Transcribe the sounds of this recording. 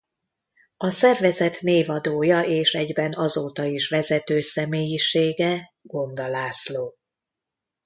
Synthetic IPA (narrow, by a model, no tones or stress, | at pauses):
ɒsɛrvɛzɛt̪neːvɒd̪oːjɒʔeːʃɛɟbɛnɒzoːt̪ɒiʃʋɛzɛt̪øːsɛmeːjiʃeːɡɛɡ̥o̞nd̪ɒlaːsloː